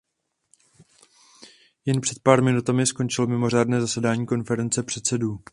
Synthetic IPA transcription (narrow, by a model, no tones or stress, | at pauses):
jɛnpr̥ɛt̪̚paːɾmɪnut̪amɪsko̞nt͡ʃɪlmɪmo̞r̝aːdnɛːzasɛdaːɲiːko̞nfɛɾɛnt͡sɛpr̝̥ɛt̪sɛduː